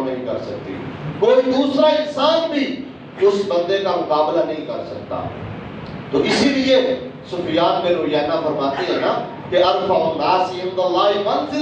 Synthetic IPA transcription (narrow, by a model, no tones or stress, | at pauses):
nɐ̃ɦĩkɐɾsɐk̚t̪ḭːkoːid̪uːsɾaɪnsaːnbʱiː | ʊsbɐ̃nd̪ekamʊkaːblanɐɦĩkɐɾsɐkt̪a̰ː | t̪oːʔɪsilie | sʊfɪjaːnmẽɾoːɦjaːnafɐɾmaːt̪eɦɛ̃ːnaː | keɐɾfaʊ̃nd̪aːsɪ̃md̪ɐlːaːɦmɐnzɪ